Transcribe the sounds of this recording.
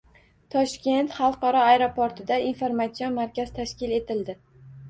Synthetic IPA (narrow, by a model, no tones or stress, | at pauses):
t̪ʰɒʃkʲe̞nt̪χɑlˠqɒɾɒajɾopoɾt̪ʰɪd̪ainfoɾmat̪sijonmaɾkʲaz̥t̪ʰaʃkʲɪle̞t̪ʰɪld̪ɪ